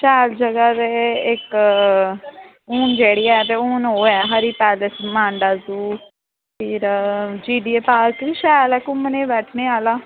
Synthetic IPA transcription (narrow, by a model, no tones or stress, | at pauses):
ʃɛːld͡ʒəɡaːd̪eːɪk | uːnd͡ʒeːɽiːɛːt̪eːuːnɦoːɛːɦəɾiːpɛːləsmãːɳɖaːzuː | pʰɪɾd͡ʒiːɖiːepaːkiʃɛːlɛːkʊməneːʋɛːʈʰneːaːlaː